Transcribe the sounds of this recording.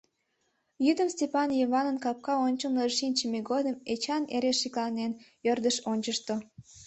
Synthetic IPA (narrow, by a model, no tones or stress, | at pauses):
jyd̪əmstʲepɑnjeβɑnənkɑp̚kɑonʲt͡ɕəmnəʃinʲt͡ɕəmeɡod̪əmet͡ɕɑneɾeʃiklˠɑnen | ørd̪əʃonʲt͡ɕəʃt̪o